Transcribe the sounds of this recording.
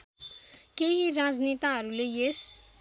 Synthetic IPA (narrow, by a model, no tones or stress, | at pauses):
keɦiɾad͡znit̪aɦʌɾulejes